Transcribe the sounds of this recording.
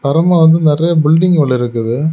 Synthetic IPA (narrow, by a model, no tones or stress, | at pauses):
pɐɾɐmaːʋɐnd̪ɯnɪrɐjɐbɪlɖɪŋɡɐɭːɪɾɯkːɐðɯ